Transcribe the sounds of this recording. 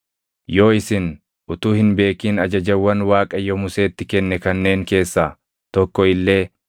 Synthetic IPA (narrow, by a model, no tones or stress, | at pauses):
jo̞ːɪsɪn | ʊt̪uːhɪnbe̞ːkiːnɐd͡ʒɐd͡ʒɐwːɐnwaːkʼɐjɔmʊse̞ːt̪ːɪkɛnːɛkɐnːe̞ːŋke̞ːsːaː | t̪ɔkːɔɪlːe̞ː